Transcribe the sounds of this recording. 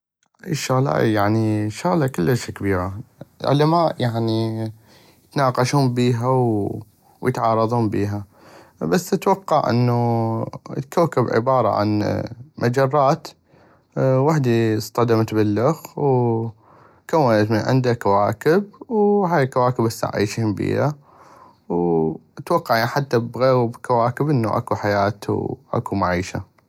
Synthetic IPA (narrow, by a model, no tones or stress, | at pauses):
ʔajʃʊɣla̰ːjaʕniʃʊɣlakɪlːəʃkabiːɾalʕʊ̰lamaːʔjaʕni | jɪt̪nɑːqɑʃuːmbiːɦaw | wjət̪ʕɑːɾˤɑðˤuːmbiːɦa | basːɪt̪wɑqːɑʕʔɪ̰nːu | lkawkɪbʕɪ̰bɑːɾˤɑ̰ʕa̰nmʔad͡ʒɑrˤːɑːt̪ | waħd̪ist̪ˤɑd̪amt̪bɪlːʊxw | kamat̪mʕɪ̰nd̪akːawaːkɪb̚wɦaːjlkawaːkəbʔasːa̰ʕʕḭːʃiːʊmbḭːha | wʔat̪wɑqːɑʕjaʕnħat̪ːabɣeːɣbkawaːkəbʔənːuʔa̰kuħajaːt̪ʔa̰kumaʕiːʃa̰